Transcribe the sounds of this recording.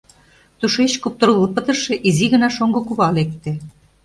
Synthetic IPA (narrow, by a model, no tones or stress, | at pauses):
t̪uʃet͡ɕkup̚t̪̆rulopət̪ə̆ʃĕʔiziɣə̆nɑʃoŋɡŏkuβɑlek̚t̪ĕ